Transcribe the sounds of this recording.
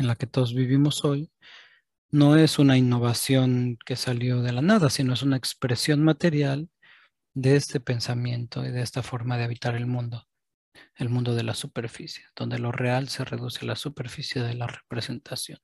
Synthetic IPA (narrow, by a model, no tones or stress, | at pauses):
enlake̞t̪o̞ðo̞zβiβimo̞so̞j | no̞e̞sunainːo̞β̞asjo̞ŋke̞saljo̞ðe̞lanaðasino̞e̞s̬unaekspɾe̞sjo̞nmat̪e̞ɾjal | d̪e̞e̞st̪e̞pe̞nsamjẽ̞nt̪o̞iðeest̪afo̞ɾmað̞e̞aβit̪aɾe̞lmũnd̪o | e̞lmũnd̪o̞ð̞e̞lasupe̞ɾfisje̞d̪̥o̞nd̪e̞lo̞re̞alse̞re̞̰ðusealasupe̞ɾfisje̞ðe̞lare̥pɾese̞nt̪asjo̞n